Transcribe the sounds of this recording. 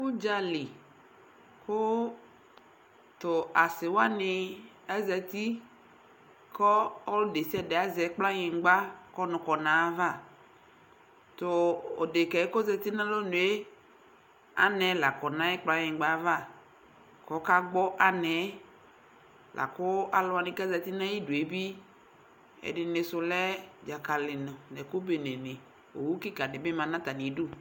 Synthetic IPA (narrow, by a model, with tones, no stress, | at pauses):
ku˦d͡ʒa˨li˨ | kʊ˦ | tʊ˨a˨sɪ˨wa˦nɪ˨ | ɛ˦zɛ˨t̪i˦ | kɔ˦ɔ˦lʊ˦de˨sɛ˦˨dɛ˨a˦zɛ˨˦k͡pla˦ɲɪ̃˨˦ɡ͡ba˦kɔ˦nʊ̃˨kɔ˨nã˨˦va˦˨ | tʊ˨o̰˨de˨kɛ˨˦ko˦zɛ˨t̪i˦nã˦lo˦nʊ̃˨e˦ | a̰˦nɛ˨la˨kɔ˨nã˦jɛ˦k͡pla˦ɲɪ̃˨˦ɡ͡ba˨˦va˦˨ | kɔ˨˦ka˦ɡ͡bɔ˦ʔa˨nɛ˨˦ | lʔa̰˨kʊ˦a˨lʊ˦a˨nɪ̃˦ka˦zɛ˨t̪ɪ˦nã˦ji˦du˨e˨bi˦ | ɛ̰˨dɪ˨nɪ˨sʊ˨lɛ˦d͡ʒa˨ka˨lɪ˨nʊ̃˨nɛ˨kʊ˦be˨nɛ˨nɪ˨ | o̰˨wu˦kɪ˦ka˨nɪ˨bɪ˦mã˨nã˦t̪a˨ni˨˦du˦